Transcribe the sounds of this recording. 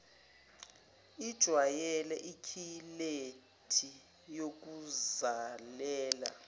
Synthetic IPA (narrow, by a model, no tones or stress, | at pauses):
id̥ʒ̥ʱwajɛlɛʔikʰile | tʰi | jok̬uzalɛːla̰